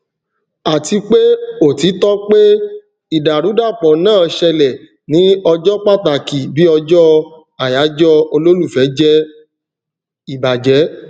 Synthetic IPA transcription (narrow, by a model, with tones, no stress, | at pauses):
a˨ti˧k͡pe˦o˨ti˨˦tɔ˦k͡pe˦ | i˨da˨ɾu˨˦da˦˨k͡pɔ̃˨nãː˦˨ʃɛ˧lɛ˨ | nĩ˨˦ɔ˧d͡ʒɔ˦k͡pa˦˨ta˨ki˨bi˨˦ɔ˧d͡ʒɔ˦ | a˨ja˨˦d͡ʒɔ˦o˧lo˦lu˦˨fɛ˨˦d͡ʒɛ˦ | i˨ba˨d͡ʒɛ˨˦